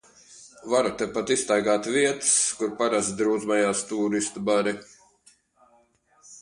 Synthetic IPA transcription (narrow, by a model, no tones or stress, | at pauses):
vaɾut̪ɛpat̪ist̪ajɡaːt̪viɛt̪ɨ̥skuɾpaɾazd̪ɾuːd̪zmajaːst̪uːɾist̪ubaɾi